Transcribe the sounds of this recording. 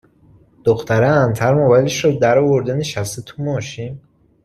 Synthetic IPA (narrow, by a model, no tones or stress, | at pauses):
d̪̥oxt̪ʰæɾeænt̪ʰæɾmobæleʃɾɔd̪æɾɒːvoɾd̪eneʃæst̪et̪ʰumɒːʃin